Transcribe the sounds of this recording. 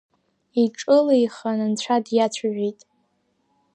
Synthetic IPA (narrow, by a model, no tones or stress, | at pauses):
iʈ͡ʂʼɨlajχanɨnt͡ɕʷʰadjat͡ɕʷʰaʒʷᶣitʼ